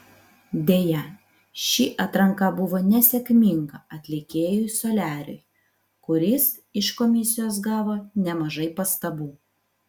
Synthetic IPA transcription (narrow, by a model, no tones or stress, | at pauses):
d̪ʲeːjɛ | ʃʲiːʔɐt̪ɾɐŋkɑbʊʋoːnʲɛsʲɛkʲmʲiŋɡɐɐt̪ʲlʲɪkʲeːjʊjsɔlʲæːɾʲʊ̰ɪ | kʊɾʲɪs | ɪʃkɔmʲɪsʲɪjoːs̬ɡɑːʋoːnʲɛmɐʒɐɪpɐst̪ɐbuː